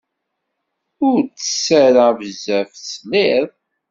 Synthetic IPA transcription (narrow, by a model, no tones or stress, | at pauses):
ʊɾt͡sːə̥sːæɾavəzæfslɪðˤ